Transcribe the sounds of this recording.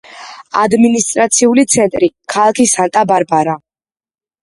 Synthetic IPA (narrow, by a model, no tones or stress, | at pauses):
a̰d̪minist̪ʼɾat̪sʰiulit̪sʰɛnt̪ʼɾikʰalˠakʰisant̪ʼabaɾbaɾa